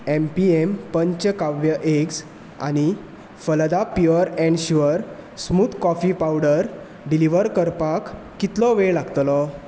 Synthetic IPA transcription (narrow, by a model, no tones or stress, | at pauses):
empiempəɲt͡ɕəkaʋjəʔeks | a̰ñi | fəld̪apjɔɾɛ̃ɳɖɕuəɾ | smuːt̪kɔfipawɖəɾ | ɖiliʋəɾkəɾpakː | it̪lɔʋelaɡt̪lɔ